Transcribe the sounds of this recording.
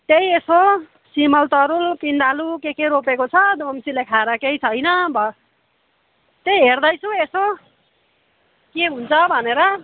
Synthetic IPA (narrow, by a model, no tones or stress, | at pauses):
t̪ejeso | simʌlt̪ʌɾulpind̪alukekeɾopekot͡sʰʌd̪omsilakʰaɾakejt͡sʰʌjnʌbʱʌ | t̪ejɦerd̪ʌjt͡sʰũeso | keɦunt͡sʰʌbʱʌneɾʌ